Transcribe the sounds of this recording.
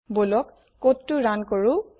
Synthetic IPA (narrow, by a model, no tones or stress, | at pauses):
bolɔkː | otːuɹankɔɹu